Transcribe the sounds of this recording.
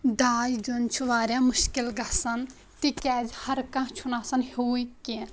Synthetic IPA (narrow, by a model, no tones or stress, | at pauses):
d̪aːjd͡ʒunt͡ʃʰuʋaːɾʲjãːmʊʃkilɡɐsɐn | t̪ikɛːd͡ʒhɐɾkɐ̃t͡ʃʰunaːsɐnhuːike